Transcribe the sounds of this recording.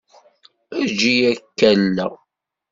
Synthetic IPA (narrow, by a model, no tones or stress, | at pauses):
æd͡ʒijækːælːæ